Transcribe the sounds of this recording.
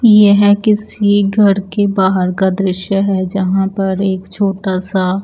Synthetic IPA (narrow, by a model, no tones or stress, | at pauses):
jeɦɛkɪsiɡʱɐɾkebaːɦəɾkad̪ɾɪʃjəɦɛd͡ʒɐɦãpɐɾeːkt͡ʃʰoːʈasa